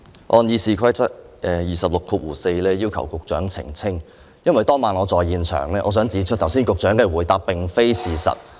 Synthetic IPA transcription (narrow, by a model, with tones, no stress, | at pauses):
ʔɔː˧njiː˧siː˨kʰɐ˥jt͡sɐ˥t̚ʔɛː˨˧jiː˨sɐ˨p̚lʊ˨kʰuː˧wuː˨˩se˧jlɛː˥jiː˥wkʰɐ̰˨˩wkʊ˨k̚t͡ʃœ̰ː˨˥ŋt͡sʰɪ̰˨˩ŋt͡sʰɪ˥ŋ | jɐ˥nwɐ˨jt̪ɔː˥ŋmaː˨nɔː˨˧t͡sɔː˨jiː˨˧nt͡ʃʰœ̰ː˨˩ŋlɛː˥ʔɔː˨˧s̬œː˨˥ŋt͡siː˨˧˥t͡ʃʰɵ˥t̚t̪ʰwsiː˥nkʊ˨k̚t͡ʃœː˨˥ŋkɛː˧wuː˨˩jt̪aː˧˥p̚pɪ˨ŋfe˥jsiː˨sɐ̰˨˩t̚